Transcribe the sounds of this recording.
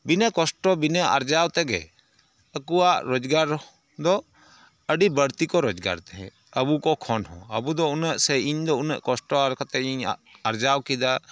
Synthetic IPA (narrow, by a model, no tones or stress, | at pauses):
binɛkɔsʈɔbinəʔa̰ɾd͡ʒawt̪ɛɡɛ̰ | əkuwaʔɾɔd͡ʒɡaɾ | d̪ɔ | əɖibəɾt̪ikɔɾɔd͡ʒɡa̰ɾt̪ɛɦɛ̰̃ | əbukɔkʰɔnhɔ̰̃əbud̪ɔunəʔsɛiɲd̪ɔunəʔkɔsʈɔaɾkʰat̪ɛiɲaɾd͡ʒawkid̪a